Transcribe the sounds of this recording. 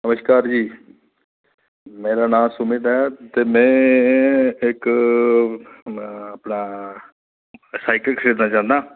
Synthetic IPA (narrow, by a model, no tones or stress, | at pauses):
nəməʃkaːɾd͡ʒiː | meːɾaːnãːsʊmid̪ɦɛːt̪eːmɛ̃ː | ɪk | əpnaː | saːɪkəlkʰəseːd̪naːt͡ʃãːnd̪aː